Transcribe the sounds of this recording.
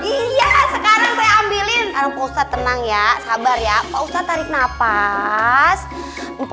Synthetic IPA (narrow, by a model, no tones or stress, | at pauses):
ijasəkaɾaŋpajaambilɪnaɾapoust̪at̪ənaŋjasabarjapaust̪at̪aɾɪk̚napa | s